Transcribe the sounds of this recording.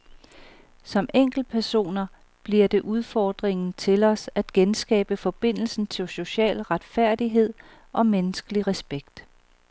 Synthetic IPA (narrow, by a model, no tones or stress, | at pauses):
sɒ̽meŋ̰ɡ̥l̩̚pʰæɐso̝̰ːnɐ | b̥liɐ̰d̥e̝ʔuð̞ˠfɒːd̥ʁeŋn̩t͡sʰe̝lɒ̽sæd̥ɡ̥ensɡ̥ɛ̰ːb̥əfɒ̽b̥e̝n̰l̩sn̩t͡sʰe̝lso̝ɕɛ̰ːlʁɑ̈d̥fæɐ̰d̥iɦe̝ð̞̰ˠ | ʔɒ̽menəsɡ̥əliʁɛsb̥eɡ̥d̥